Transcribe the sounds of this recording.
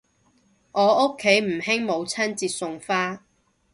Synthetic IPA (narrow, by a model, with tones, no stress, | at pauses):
ʔɔː˨˧ʊ˥kʰːe˨˥jm̩˨˩hɪ˥ŋmo˨˧wt͡sʰɐ˥nt͡siː˧t̚sʊ˧ŋfaː˥